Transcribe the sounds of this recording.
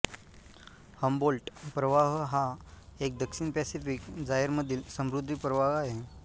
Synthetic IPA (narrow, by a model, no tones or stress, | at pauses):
həmbolʈpɾəʋaɦɦaek̚d̪əkʂinpɛsifikd͡zaɦeɾməd̪ʱiːlsəmɾud̪ʱːipɾəʋaɦaɦe